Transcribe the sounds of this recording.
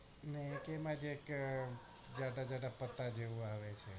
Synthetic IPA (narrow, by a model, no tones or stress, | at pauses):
nekemãd͡ʒek | d͡ʒaɖad͡ʒaɖapət̪ːad͡ʒeʋũaʋet͡ʃʰe